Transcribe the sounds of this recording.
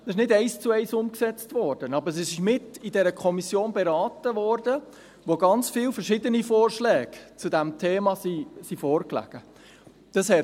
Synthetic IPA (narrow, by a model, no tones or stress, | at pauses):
ɛsɪʃnɪdɛɪst͡suɛɪsʊmksɛt͡stvɔːɾd̥ənɑbəɾsisɪʃmɪtidɛɾəkʰɔmisjoːnbɛɾɑːtəʋɔːɾdə | ʋoɡɑnt͡sfiːlfəɾʃɪdənifɔːɾʃlɛːɡ̥t͡sudɛmtʰeːmɑsisifoːɾklæ̰ɡ̥ə | d̥ɑshɛ